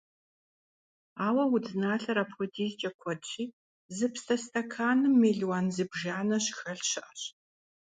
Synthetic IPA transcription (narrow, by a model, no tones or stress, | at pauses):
aːwɐwʊd͡znaːɬɐɾapxʷɔdiːzt͡ʃʼɐkʷʰɔt͡ʃʼiː | zɨpstʰɐstʰɐkʰaːnɨmːeːɮwaːnzɨbʒaːnɐɕxɐɬɕɪʔɐɕ